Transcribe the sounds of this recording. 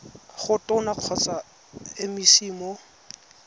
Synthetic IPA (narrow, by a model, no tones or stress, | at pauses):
χʊtʼʊnaq͡χʰɔt͡sa | ɪmisiːmɔ